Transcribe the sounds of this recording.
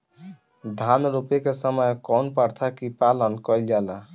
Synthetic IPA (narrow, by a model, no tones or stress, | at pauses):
d̪ʱanɾupekesəməjkɔnpaɾt̪ʰakipalənkɔld͡ʒala